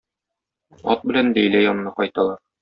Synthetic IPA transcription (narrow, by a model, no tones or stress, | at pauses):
ɒ̰t̪̚bɘ̆lænd̪æjlæjɒnɤ̆nɑqɒjt̪ɑlˠɑɾ